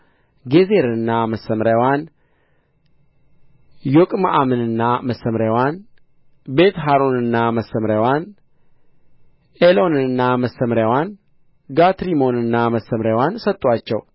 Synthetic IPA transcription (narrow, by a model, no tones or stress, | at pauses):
ɡezeɾɨnːaməsːəmɾjawan | jokʼma̰ʔamɨnɨnːaməsːəmɾjawan | be̞t̪ɦaɾo̞nɨnːaməsəmɾjawan | elo̞nɨɨnːaməsəmɾjawan | ɡat̪ɾimo̞nɨnːaməsːəmɾjawansət̪ʼːwat͡ʃːɛ̰w